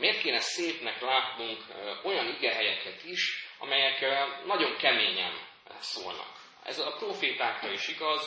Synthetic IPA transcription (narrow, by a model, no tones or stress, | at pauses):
meːrt̪̚keːnɛseːpnɛklaːt̪nuŋko̞jɒniɡɛɦɛjɛkɛt̪iʃɒ̰mɛjɛknɒɟo̞ŋkɛmeːɲɛ̰m | so̰ːlnɒ̰k | ɛ̰zɒproːfeːt̪aːkrɒiʃiɡɒz